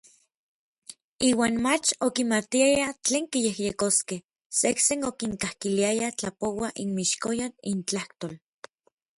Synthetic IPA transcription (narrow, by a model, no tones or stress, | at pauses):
iːwaːnmat͡ʃokimat̪iajat͡ɬeːŋkijehjekoskeh | seksenokiŋkahkiliajat͡ɬapowaʔinmiʃkojanḭnt͡ɬaht̪ol